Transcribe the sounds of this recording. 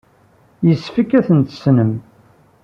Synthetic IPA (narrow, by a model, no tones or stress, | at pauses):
jəsfikːæθənt̪ə̥snəm